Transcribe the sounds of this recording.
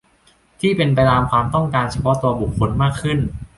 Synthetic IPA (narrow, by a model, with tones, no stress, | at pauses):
t̪ʰiː˥˩pe˧np̬a˧jt̪aː˧mkʰwaː˧mt̪ɔ˥˩ŋkaː˧nt͡ɕʰa˧pʰɔ˦˥t̪u˧ɐbu˨˩kʰːo˧nmaː˥˩kʰːɯ˥˩n